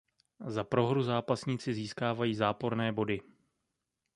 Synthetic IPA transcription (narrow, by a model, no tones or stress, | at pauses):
zapɾo̞ɦɾuzaːpasɲiːt͡sɪziːskaːvajiːzaːpo̞ɾnɛːbo̞dɪ